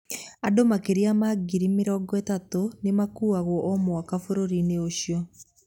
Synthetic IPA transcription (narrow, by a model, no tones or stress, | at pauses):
adomakeɾiamaɡiɾimeɾɔːɡɔɛtatonemakuːaɣɔʔɔmɔakafoɾoɾineoʃjɔ